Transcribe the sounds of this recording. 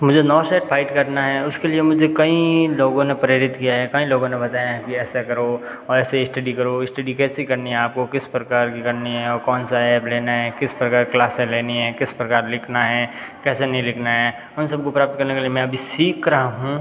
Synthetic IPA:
mʊd͡ʒʱenɔːsɛːʈpʰaːɪʈkɐɾnaɦɛʊskeliemʊd͡ʒʱekɐĩloːɡõnepɐɾɪɾɪt̪kijaɦɛkɐĩloːɡõnebɐt̪aːjaɦɛ̃kiɛːsekɐɾo | ɔːɾɛːseɪsʈɐɖikɐɾoɪsʈɐɖikɛːsikɐɾniɦɛaːp̚kokɪspɾɐkaːɾkikɐɾniɦɛɔːɾkɔːnsaɛːpleːnaɦɛkɪspɾɐkaːɾklaːsẽleːniɦɛkɪspɾɐkaːɾlɪkʰnaɦɛ | kɛːsenɐɦĩlɪkʰnaɦɛː | ɦʊnsɐb̚kopɾaːp̚t̪kɐɾnekeliemɛ̃ɐbʱisiːkɾaɦaɦũː

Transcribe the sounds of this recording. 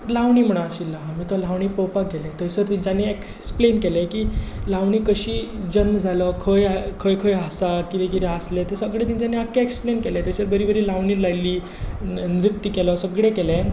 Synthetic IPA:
laʋɳ̃iːm̤əɽ̃aaɕilamiːt̪ɔlaʋɳ̃iːpɔwpak̚ɡʱelẽt̪əsəɾt̪iɲt͡ɕanːeek | splenkelẽkilaʋɳiːkəɕiːd͡ʑənməd͡zʱalɔkʰəjakʰəjkʰəjɦasakit̪ekiɾɦaslet̪esəɡɭẽt̪iɲt͡ɕanːeakːeeksplenkɛlẽt̪eɕeɾbəɾibəɾiːlaʋɳiːlajliː | nɾit̪ːikɛlɔsəɡɽekɛlẽ

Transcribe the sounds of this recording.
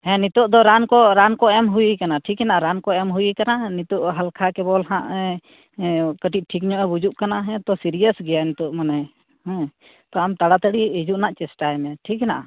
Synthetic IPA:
hɛ̃nit̪ɔʔd̪ɔɾankɔɾankɔɛmɦujikanaʈʰikɛnaʔaɾankɔɛmɦujikananit̪ɔʔɦalkʰakɛbɔlɦãʔɛ | kəʈit̪̚ʈʰikɲɔʔɛbud͡ʒuʔkanaɦɛ̃t̪ɔsiɾijəsɡɛjanit̪ɔʔmanɛ | hɛ̃ | t̪ɔamt̪aɽat̪əɽiid͡ʒuʔnaʔt͡ʃɛsʈajmɛʈʰikɦɛnaʔa̰

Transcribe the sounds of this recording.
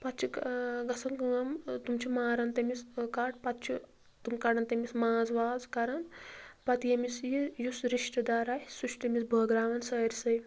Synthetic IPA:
pɐt̪t͡ʃʰiɡɐsɐnkɐmt̪umt͡ʃʰimaːɾɐnt̪ɐmiskaʈpɐt̪t͡ʃʰu | t̪umkɐɽɐnt̪ɐmismaːzʋaːzkɐɾɐnpɐt̪jɐmisjijusɾiʃʈɐd̪aːɾaːjisuʃʰʈ̪ɐmisbʱɐːɡɾaːʋɐnsɐɾʲsɐj

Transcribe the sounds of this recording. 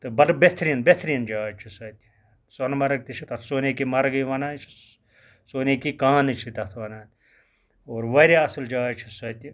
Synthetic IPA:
t̪ɨbɐɾbet̪ʰɾinbet̪ʰɾind͡ʒaːt͡ʃʰisɐt̪ʲi̥ | sonmɐɾɐk̚t̪it͡ʃʰit̪ɐt̪ʰsoːnekimɐɾɐɡɐjʋɐnaːnt͡ʃʰi̥ | soːnekikãːnɨt͡ʃʰit̪ɐt̪ʰʋɐnaːn | oːɾʋɐɾiɐsɐld͡ʒaːt͡ʃʰisɐt̪ʲi

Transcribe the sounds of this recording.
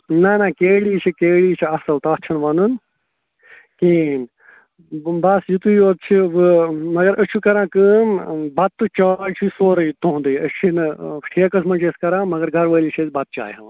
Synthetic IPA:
nɐnɐkeːɽiːt͡ʃʰikeːɭiːt͡ʃʰiɐsɐlt̪ɐːt͡ʃʰɐnʋɐnun | kin | bɐsjut̪ujoːt̪̚t͡ʃʰiʋɨmɐɡɐɾʔɐʃʰukɐɾãːkɨmbɐt̪ːɨt͡ʃaːlt͡ʃʰisoːɾɐjt̪oɦũnd̪ɨːɐʃʰinɨʈʰeːkɐsmɐt͡ʃeːskɐɾãːmɐɡɐɾɡʱɐɾʋəːlit͡ʃʰɐt͡sʲbɐt̪̚t͡ʃa̰ːjɦɐ̰̃

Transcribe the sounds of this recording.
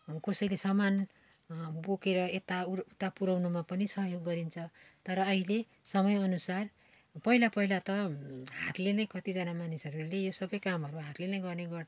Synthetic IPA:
kʌsʌjlesʌman | bokeɾʌet̪aut̪apuɾawnumapʌnisʌɦjoɡːʌɾint͡sʰʌt̪ʌɾʌːɦile | sʌmʌjʌnusar | pʌɦilapʌɦilat̪ʌɦat̪lenʌjkʌt̪id͡zʌnamanisʌɾulejosʌbʌjkamɦʌɾuɦat̪lenʌjɡʌrneɡʌr

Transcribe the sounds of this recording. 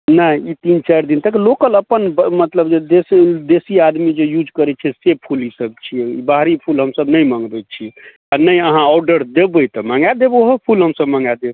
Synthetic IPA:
nəit̪int͡ʃaɾd̪int̪əklokələpənbmət̪ləbd͡ʒed̪esd̪esiad̪mid͡ʒejud͡ʒkəɾɛt͡ʃʰɛsepʰulisəb̚t͡ʃʰiibaɦɾipʰulɦəmsəbnəjməŋɡbɛt͡ʃʰi | anəjəɦãɔɾɖəɾd̪ebət̪ɔməŋɡad̪eboɦopʰulɦəmsəbməŋɡad̪eb

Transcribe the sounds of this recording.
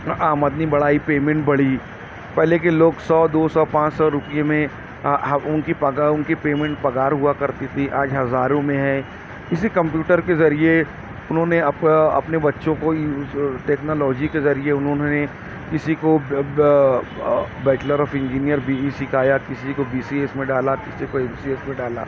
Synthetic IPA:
aːməd̪nibɐɽaːipeːmẽɳʈbɐɽi | pɛɦlek̬iloːɡsɔːd̪oːsɔːpãːt͡ʃsɔɾʊpijemẽ | ʊnkipɐɡaʊnkipeːmẽːɳʈ̚pɐɡaːɾɦuakɐɾt̪it̪ʰiʔaːd͡ʒɦɐzaːɾõmẽɦɛ̃ː | ɪsikɐ̃mpjuːʈəɾkezɐɾie | ʊnɦõneɐpɐ̰pnebɐtːʃõko | ʈeːknoːlɔːd͡ʒikezɐɾieʊnɦõnɦne | kɪsiko | bɛːʈləɾɔːfɪ̃ɲd͡ʒiːnijəɾbʱiisɪkʰaːjakɪsikobiːsiesmẽɖaːlakɪsikoebsieːsmẽɖaːla̰ː

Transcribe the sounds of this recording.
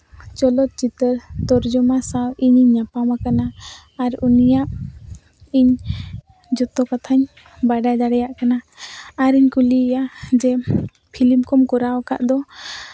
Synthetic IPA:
t͡ʃɔlɔt̪̚t͡ʃit̪əɾt̪ɔɾd͡ʒɔmasawiɲiɲːapamakanaː | ɾunijaʔ | iɲ | d͡ʒɔt̪ɔkat̪ʰaɲ | baɖajd̪aɽɛjaʔkanaaɾiɲkulijad͡ʒɛ | pʰilimkɔmkɔɾawɔka̰ʔd̪ɔ

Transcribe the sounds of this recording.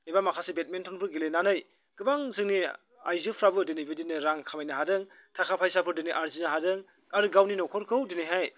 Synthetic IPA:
ebamakʰasebet̚mentʰɔnpʰɯɾɡilenanɯj | ɡ̥ɯbaŋzɯŋni | a̰jzɯpʰɾabɯdenibedinɯɾaŋkʰamajnɯɦadɯŋ | tʰakʰapʰajsapʰɯɾdeniʔaɾzinɯɦadɯŋ | aɾɯɡawninɔkʰɔɾkʰɯwdeniɦaj

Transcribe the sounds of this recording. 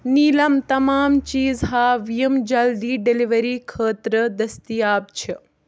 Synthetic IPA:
niːlɐmt̪ɐmaːmt͡ʃiːzɦaːʋijɐmd͡ʒɐld̪iːɖeliʋɐɾiːkʰəːt̪ɾəd̪ɐst̪ijaːb̚t͡ʃʰɪ

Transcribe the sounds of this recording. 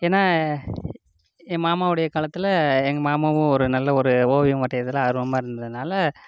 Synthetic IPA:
eːnːaː | maːmaːʋɯɽɐjɐkaːlɐt̪ːɪlɐɛŋɡɐmaːmaːʋʊ̃ɔɾɯnɐlːɐɔɾɯoːʋɪjɯ̃ʋɐʈːɐjɐðɪlãːɐðɾɯʋɐmaːɪɾɯnd̪ɐðɯnaːlɐ

